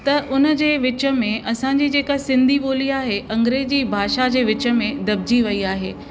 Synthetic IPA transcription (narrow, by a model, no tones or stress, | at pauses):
t̪ɐʔʊnə̆d͡ʑeːʋɪt͡ɕə̆mẽʔɐsãːɲ̆d͡ʑiːd͡ʑeːkasɪ̃nd̪ʱiboːliaːɦeʔɐ̃ŋɡɾeːd͡ʑiːbʱaːʃad͡ʑeːʋɪt͡ɕə̆mẽd̪ɐb̚d͡ʑiʋɐiaːɦḛː